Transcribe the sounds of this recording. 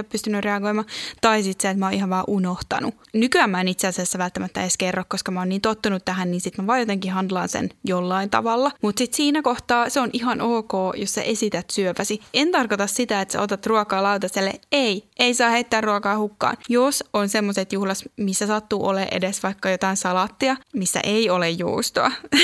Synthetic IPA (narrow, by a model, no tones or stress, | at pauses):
oppyst̪ynːyreɑɡoimɑt̪ɑisit̪seːt̪mæoːihɑʋʋɑːʔunoht̪ɑ̰nu | nykyæmːæenit̪seɑsiæsːæʋælt̪ːæmæt̪ːæeskerːokkoskɑmæoːnniːnt̪ot̪ːunut̪t̪ːæɦænniːnsit̪mæʋɑːjot̪eŋkihhɑnd̪lɑnsḛnjolːɑint̪ɑ̰ʋɑlːɑmut̪sit̪siːnækoht̪ɑːseonʔiɦɑnoːkoːjossḛʔesit̪æt̪syøpæsient̪ɑrkot̪ɑssit̪æet̪sḛot̪et̪ruɑkɑːlɑut̪ɑselːḛeiʔeisɑːheit̪ːæːrruɑkɑːhukːɑ̰ːnjosonsemːoset̪juhlɑt̪misːæsɑt̪ːuːʔolḛʔḛdesʋɑikːɑjot̪ɑinsɑlɑt̪ːiɑmisːæ̰ʔeiolejjo̰ust̪oɑ̰